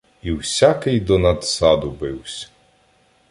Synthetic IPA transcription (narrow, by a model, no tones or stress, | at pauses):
iwsʲakɪjd̪ɔnɐd̪sɑd̪ʊbɪwsʲɐ̥